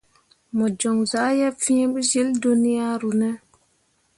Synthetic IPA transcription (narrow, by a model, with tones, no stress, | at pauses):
mɔ˨d͡ʒo˨ŋza˨˦jɛ˦fi˦e˦ɓi˦d͡ʒi˦ldo˦ni˦ja˦ɾu˨nɛ˦